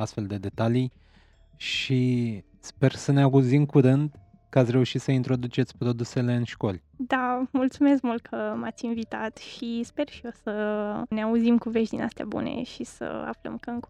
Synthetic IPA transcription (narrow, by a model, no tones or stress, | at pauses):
ast̪fe̞ld̪e̞d̪e̞t̪alij | ʃi | spe̞rsəneaɡuzimkuɾɨnd̪ | kəat̪sʲre̞uʃit̪səint̪ɾo̞d̪ut͡ʃe̞t̪sʲpɾo̞d̪use̞le̞ɨnʃko̞lʲ | d̪amult̪sume̞s̬kmult̪̚kʰəmat̪sʲinvit̪at̪ʃispe̞rʃio̞səneauzimkuve̞ʒd̪inast̪ea̰bṵne̞̰ʃisə̰a̰flə̰mkəɨŋ